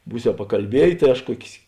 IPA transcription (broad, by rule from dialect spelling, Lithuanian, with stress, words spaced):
ˈbuːsʲɛʊ pɐkɐlʲˈbʲiɛjeː tɐɪ ˈɐʃ ˈkuɔkʲeːs